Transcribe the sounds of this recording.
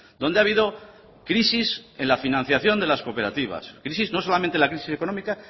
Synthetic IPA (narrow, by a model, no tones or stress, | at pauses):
d̪o̞nd̪eaβiðo̞ | kɾisisẽ̞nlafinãn̟θjaθjo̞nd̪e̞lasko̞pe̞ɾat̪iβ̞a̰skɾisizno̞s̬o̞lamẽnt̪elakɾisise̞ko̞no̞mika